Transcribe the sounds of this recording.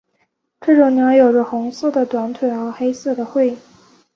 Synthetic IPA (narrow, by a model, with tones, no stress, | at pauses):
ʈ͡ʂɤ˥˩ʈ͡ʂʊ˨˩ŋnjɑ˧˥jo˨˩ʊʈ͡ʂə˦xʊ˧˥ŋs̩˥˩d̪ə˩t̪wa˧˥nt̪ʰwe˨˩ɪxɤ˧˥xe˥ɪsɤ˥˩d̪ə˩xwe˥˧ɪi˥˩